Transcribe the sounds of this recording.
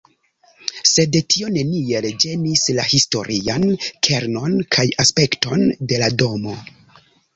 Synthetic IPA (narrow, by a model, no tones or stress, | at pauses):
se̞dtʰio̞ne̞nield͡ʒe̞nislahisto̞ɾʔiankʰe̞ɾno̞nkʰajaspe̞kto̞nde̞lado̞mo̞